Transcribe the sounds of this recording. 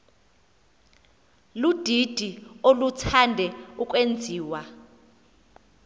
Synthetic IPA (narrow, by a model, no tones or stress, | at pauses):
lud̥ʱid̥ʱiolutʰandʱɛuk̬ʼwend͡zʱiːwa